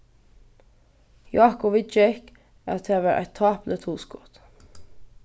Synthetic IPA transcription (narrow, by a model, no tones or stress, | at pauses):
jɑːkʊʋɪt͡ʃɛk | ɑ̰t̪heːʋæːɾʔæ̰ɪt̪ʰːɑːplət̪ʰuːskɔt̪